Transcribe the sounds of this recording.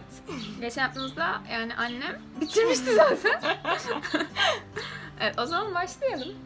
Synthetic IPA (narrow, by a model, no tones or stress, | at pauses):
t̪ɡet͡ʃʰp̪mɯzd̪ˠajaːniʔanːɛm | bit̪ʰiɾmiʃt̪ʰizaːt̪ʰæn | eɛt̪ʰo̞zamanbaʃlˠɯjalˠɯm